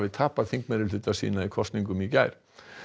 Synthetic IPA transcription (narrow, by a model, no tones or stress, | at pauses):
vɪðt̪ʰaːpaðθiŋkmɛɾɪlʏt̪ːasḭːnaikʰɔst̪niŋkʏmicaːjɾ̥